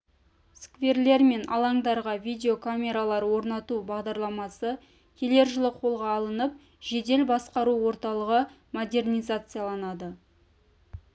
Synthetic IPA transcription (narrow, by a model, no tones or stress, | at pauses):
skve̞rle̞ɾme̞nɑ̰lˠɑŋd̪ɑɾʁɑvʲijd̪ʲe̞o̞kʰamʲe̞ɾalˠɑɾwo̞ɾnɑt̪ubɑʁd̪ɑɾlˠɑmɑsə | kʲʰe̞le̞ɾʒəlˠəqʰo̞lˠʁɑːlˠənəp̚ | ʒe̞d̪e̞lbɑsqɑɾuwo̞ɾt̪ɑlˠəʁə | mod̪e̞rnʲijzat̪sɨjalˠɑnɑd̪ə